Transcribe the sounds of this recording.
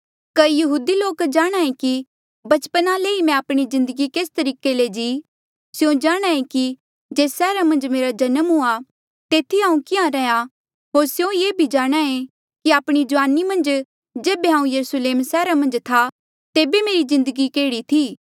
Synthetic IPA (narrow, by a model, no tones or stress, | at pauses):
kɐijɐɦuːd̪iloːkd͡ʒaːɽ̃aːẽki | bɐt͡ʃpənaleːimɛ̃aːpɽ̃izɪ̃nd̪əɡikeːst̪ɐɾiːkeled͡ʒiː | sjõd͡ʒaːɽ̃aːẽki | d͡ʒeːsɛːɾamɐ̃nd͡ʒmeːɾad͡ʒɐnəmɦʊa | t̪eːt̪ʰiɦãːũkɪãɾɛja | ɦoːɾsjõjeːbʱid͡ʒaːɽ̃aẽ | kiaːpɽ̃id͡ʒʊʋaːnimɐ̃nd͡ʒ | d͡ʒeːbeɦãːũjɐɾusleːmsɛːɾamɐ̃nd͡ʒt̪ʰa | t̪eːbemeːɾizɪ̃nd̪əɡikeːɽit̪ʰiː